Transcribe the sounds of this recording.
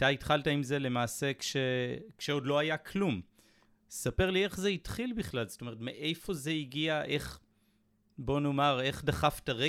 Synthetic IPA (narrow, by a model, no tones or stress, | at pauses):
taitχaltaimze̞le̞maːse̞kʃekʃeodlo̞ajakʰlum | sape̞ʁlie̞χzeitχilbiχlalzo̥t̪o̞me̞ʁetmeʔe̞jfo̞ze̞iɡiaʔe̞χ | bo̞no̞maʁe̞χdaχaftaʁe